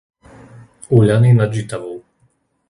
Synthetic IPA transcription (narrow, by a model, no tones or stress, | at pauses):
uʎʲaninad̪d͡ʒit̪avɔw